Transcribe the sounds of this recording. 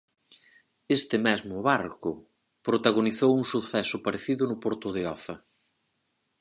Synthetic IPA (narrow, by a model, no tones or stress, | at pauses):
est̪ɪmɛzmʊβaɾkʊ | pɾot̪aɣ̞oniθowuŋsuθɛsʊpaɾeθiðʊnʊpoɾt̪ʊðeɔθɐ